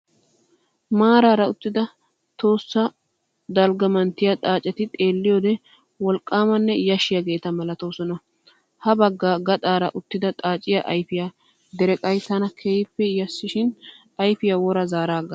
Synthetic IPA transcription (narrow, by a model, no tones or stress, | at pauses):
maːɾaːɾɐʊt̪ːɪd̪ɐ | t̪o̞ːsːɐ | d̪ɐlɡɐmɐnt̪ːɪjat̪ʼaːt͡ʃʼːɛt̪ɪt̪ʼe̞ːlːɪjoːd̪ɛ | wɔlkʼːaːmɐnːɛjɐʃɪjɐɡe̞ːt̪ɐmɐlɐt̪oːsɔnɐ | hɐbɐɡːaːɡɐt̪ʼaːɾɐ̰ʔʊt̪ːɪd̪ɐt̪ʼaːt͡ʃʼɪjaʔɐjfɪja | d̪ɛɾɛkʼɐjt̪ːɐnɐkʰejɪpːɛjɐsːɪʃɪn | ɐjfɪjawɔɾɐzaːɾaːɡɐ